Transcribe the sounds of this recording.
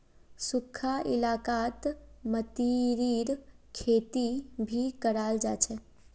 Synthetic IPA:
sʊkʰːaʔɪ̰laːkaːt̪mət̪iɾiːɾkʰeːt̪ibʱikəɾaːld͡ʒa̰ːt͡ʃʰɛ

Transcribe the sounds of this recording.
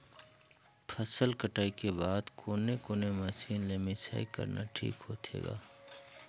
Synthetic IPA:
pʰəsəlkəʈaːikebaːd̪kʰoːnekoːnemɐsiːnleːmisa̰ːikə̰ɾna̰ʈʰḭːkɦoːt̪ʰḛːɡa̰ː

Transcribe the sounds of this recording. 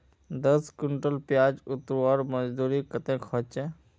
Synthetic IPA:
d̪əskʊɳʈəlpjaːd͡ʒʊt̪ɾwaːɾməd͡ʒd̪uːɾikət̪ẽkʰɔt͡ʃẽ

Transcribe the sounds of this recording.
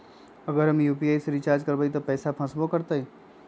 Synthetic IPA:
əɡəɾɐmjuːpiaːjseɾit͡ʃaːɾd͡ʒkəɾbəit̪opɛːsapʰɐ̃sbokəɾt̪əi

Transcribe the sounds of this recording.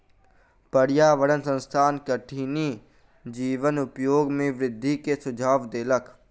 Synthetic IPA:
pəɽjaːʋəɽənsə̃nst̪ʰaːnkəʈʰiːni | d͡ʒiːʋənʊpjoːɡmẽʋɾɪd̪ʱːikesʊd͡ʒʱaːʋd̪eːlək

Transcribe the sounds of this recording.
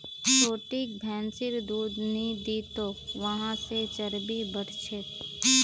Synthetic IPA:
pɾoːʈik̚bʱɛ̃ːnsɪɾd̪uːd̪nid̪iːt̪oːkʋəɦãset͡ʃəɾbibəɽ̤t͡ʃʰet̪

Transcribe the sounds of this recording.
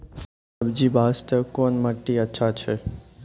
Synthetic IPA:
əbd͡ʒibʱast̪əkonmaʈːiətːʃʰat͡ʃʰe

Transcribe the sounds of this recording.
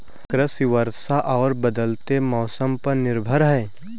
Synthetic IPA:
kɾəsiʋəɾsaʔɔːɾbəd̪əlt̪emɔːsəmpɐɾnɪɾbʱəɾɦɛː

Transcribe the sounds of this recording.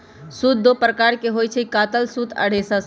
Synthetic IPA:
sut̪̚d̪opɾəkaɾkeɦojt͡ʃʰəikat̪əlsut̪ʰə̰ɽ̤esə

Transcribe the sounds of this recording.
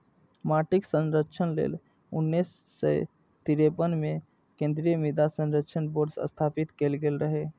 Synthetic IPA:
maːʈɪksə̃nɾəkʃʰənlḛːl | ʊ̰nːisːḛ | t̪iɾepənmẽ | kẽːnd̪ɾijəmid̪asə̃nɾəkʃʰənboːɾɖsə̰st̪ʰaːpit̪kelɡelɾəɦe

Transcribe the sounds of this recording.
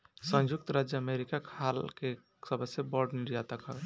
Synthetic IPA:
sə̃nd͡ʒuk̚t̪ɾad͡ʒjəəmeɾikakʰalke | səbʱəsebɔɾɖniɾjat̪akɦə

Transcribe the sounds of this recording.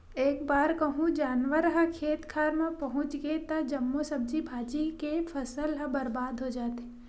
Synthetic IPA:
eːk̚baːɾkəɦũd͡ʒaːnʋəɾɦɐ̃kʰeːt̪kʰaːɾmẽpɐɦʊ̃t͡ʃɡet̪ɐd͡ʒɐmːosɐb̚d͡ʒibʱaːd͡ʒikepʰɐsəlɦɐ̃bɐɾbaːd̪ʱɦod͡ʒaːt̪e

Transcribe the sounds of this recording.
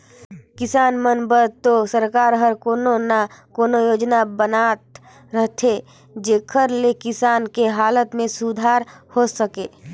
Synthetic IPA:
kɪsaːnmənbəɾt̪osəɾkaːɾɦəɾkoːnonakoːnojoːd͡ʒnabənaːt̪ | ɾəɦt̪ʰe | d͡ʒeːkʰəɾlekɪsaːnkeɦaːlət̪mẽsud̪ʱaːɾhosəkeː

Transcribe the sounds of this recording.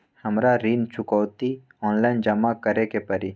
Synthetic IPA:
hɐmɾaɾint͡ʃʰʊkɔːt̪i | ɔːnlaɪnd͡ʒɐmakəɾekepəɾi

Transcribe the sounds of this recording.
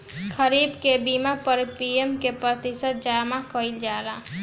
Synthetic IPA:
kʰəɾibkebimapəɾpiemkepɾət̪isət̪̚d͡ʒamakəɪld͡ʒaɾa

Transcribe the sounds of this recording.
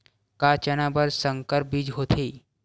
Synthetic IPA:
kaːt͡ʃənabəɾsə̃ŋkəɾp̚bid͡ʒɦoːt̪ʰeː

